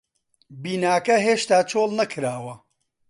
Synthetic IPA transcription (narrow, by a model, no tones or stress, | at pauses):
biːnaːkɐɦeːʃt̪aːt͡ʃʰoːlˠnɐkʰɾaːwɐ